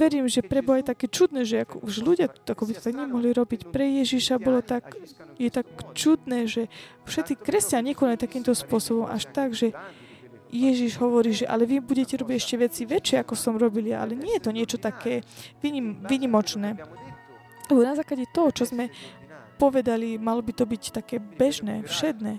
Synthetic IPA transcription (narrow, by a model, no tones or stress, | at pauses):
ʋɛɾiːmʒɛpɾɛbɔajt̪akɛːt͡ʃud̪nɛːʒɛakɔuʒluɟɪaakɔbit̪ɔ̥t̪aɡɲɛmɔɦliɾɔbicpɾɛjɛʒiʃabɔlɔt̪akjɛt̪akt͡ʃud̪nɛːʒɛ | fʃɛt̪t͡sikɾɛscanɲɲɛkɔnalit̪akiːmt̪ɔspʊɔsɔbɔmʔa̰ʃt̪aɡʒɛ | jɛʒiʒɦɔʋɔɾiːʒɛʔa̰lɛʋibuɟɛcɛɾɔbiɟɛʃcɛʋɛt͡siʋɛt͡ʃɪɛakɔsɔmɾɔbilia̰lɛɲɪɛjɛt̪ɔɲɪɛt͡ʃɔt̪akɛːʋiɲiʋiɲimɔt͡ʃnɛː | lɛbɔnazaːklaɟɛt̪ɔɦɔt͡ʃɔzmɛ | pɔʋɛd̪alimalɔbit̪ɔbict̪akɛːbɛʒnɛːfʃɛd̪nɛː